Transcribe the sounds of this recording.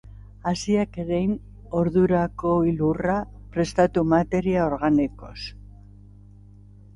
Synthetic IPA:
asiakeɾejn | o̞ɾðuɾakoilura | pɾe̞st̪at̪umat̪e̞ɾiao̞ɾɣaniko̞̰s

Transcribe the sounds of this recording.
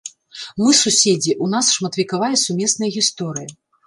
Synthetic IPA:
mɨsusʲed͡zʲiʔunasʂmɐt̪vʲikavajɐsumʲɛsnɐjɐɣʲist̪ɔɾɨjɐ

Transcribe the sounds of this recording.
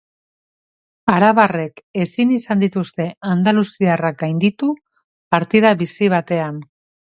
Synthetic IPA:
aɾaβare̞ke̞sinisand̪it̪ust̪e̞and̪alusiarak̚ɡajnd̪it̪u | paɾt̪iðaβisiβ̞at̪e̞an

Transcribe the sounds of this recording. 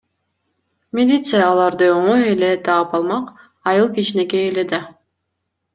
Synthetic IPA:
mʲɪlʲit̪sɨjaːlˠɑɾd̪ɯo̞ɴojele̞t̪ʰɑːpɑlˠmɑq | ɑjɯlˠkit͡ʃine̞keːle̞d̪ɑ

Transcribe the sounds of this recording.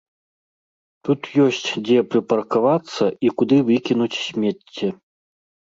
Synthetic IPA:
t̪ut̪jɔsʲt͡sʲd͡zʲɛpɾɨpɐrkavat̪sːɐikud̪ɨvɨkʲinut͡sʲsʲmʲɛt͡sʲːɛ

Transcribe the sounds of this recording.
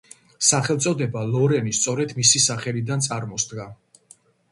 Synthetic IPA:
saχɛlˠt̪sʼɔd̪ɛbalˠɔɾɛnist̪sʼɔɾɛd̪misisaχɛlid̪ant̪sʼaɾmɔsd̪ɡa

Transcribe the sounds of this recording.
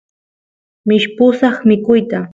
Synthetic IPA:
mɪʃpʊsɑχmɪkʊjt̪a

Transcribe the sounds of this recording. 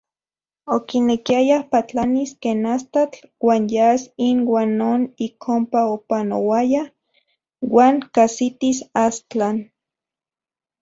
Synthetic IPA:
okinekiajahpat͡ɬaniskeːnast̪at͡ɬwaːnjasinwaːnːoːnikʰompaopanowaja | waːŋkasit̪isast͡ɬan

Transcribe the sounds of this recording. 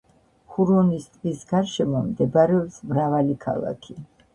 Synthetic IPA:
χuɾɔnist̪ʼkʼisɡaɾʃɛmɔmd̪ɛbɾɛɔpsmɾavalikʰa̰lˠa̰kʰi

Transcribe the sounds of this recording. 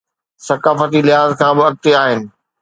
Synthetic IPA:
sɐkaːfət̪̬ilɪɦaːzkʰãːbɪɐk̚t̪eaːɦɪnɪ̆

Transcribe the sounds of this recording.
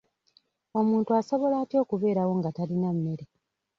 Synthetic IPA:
o̞muːntuaso̞βo̞laːtio̞ːkuβe̞ːɾawo̞ŋɡatalinamːe̞ɾe

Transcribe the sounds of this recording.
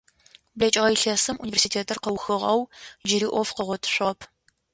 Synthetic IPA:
blɐt͡ʃʼɪʁɐjɬɐsɨmʔunivʲersitʰeːtʰɐrqɐwxɨʁɐwd͡ʒɪɾiːʔʷɔfqəʁʷɔtʰɨ̥ɕʷɪʁɐpʰ

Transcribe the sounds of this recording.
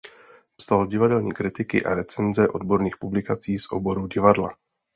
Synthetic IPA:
psaloɟɪvadɛlɲiːkɾɪt̪ɪkɪ̰ʔa̰ɾɛt͡sɛnzɛʔo̞dbo̞ɾniːxpublɪkat͡siːsʔo̰bo̞ɾuɟɪvadla̰

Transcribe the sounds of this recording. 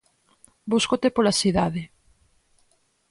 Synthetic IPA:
buskot̪epolasiðaðe

